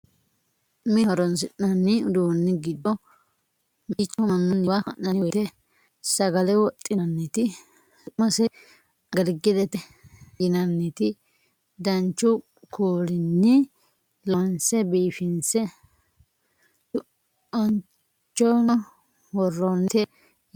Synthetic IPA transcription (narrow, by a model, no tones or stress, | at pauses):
mɪhɔɾɔnsɪʔːɐnːɪʊd̪unːɪɡɪd̪ɔ | mit͡ʃːɔmɐnːʊnːɪwakɐ̰nːɐnɪwt̪ɛ | sɐɡɐlɛwɔt̪ʼːɪnɐnːit̪ɪ | mɐsɛ | ɐɡɐlɡɪd̪ɛt̪ɛ | jɪnɐnːɪt̪ɪ | d̪ɐnt͡ʃːʊ | kʰuːlɪnːɪ | lɔnsɛbiːfɪnsɛ | ʊ | ɔn | t͡ʃːɔ | wɔrːɔnːt̪ɛ